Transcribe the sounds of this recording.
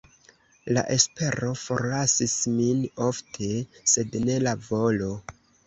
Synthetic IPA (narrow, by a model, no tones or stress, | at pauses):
la̰ʔe̞spe̞ɾo̞fo̞̰ɾlasismino̞ftʰe̞se̞dne̞lavo̞lo̞